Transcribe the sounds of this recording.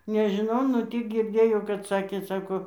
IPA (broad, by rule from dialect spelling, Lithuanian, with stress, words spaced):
nʲɛʒʲɪˈnɐʊ nʊ ˈtʲiː ɡʲɪrʲˈdʲeːjɛʊ kɐt ˈsɑːkʲeː ˈsɑːkoː